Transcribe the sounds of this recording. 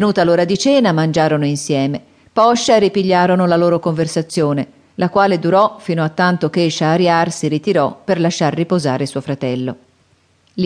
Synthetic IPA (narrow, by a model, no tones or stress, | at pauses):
enuːt̪aloːɾad̪it͡ʃɛːnamand͡ʒaːɾonoinsjɛːme | pɔʃːaɾipiʎːaːɾonolaloːɾokoɱversat̪sːjoːne | lakwaːled̪uɾɔfinoat̪ːant̪okeʃaːɾjarsiɾit̪iɾɔperlaʃːarːipozaːɾesuofɾat̪ɛlːo | l